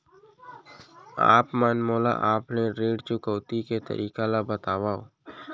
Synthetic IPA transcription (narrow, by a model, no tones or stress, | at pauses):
a̰ːpmaːnmoːla̰ʔaːpneɾeːɖt͡ʃʊkəːt̪iket̪ə̰ɾʔiːkalabət̪aːʋaːo̰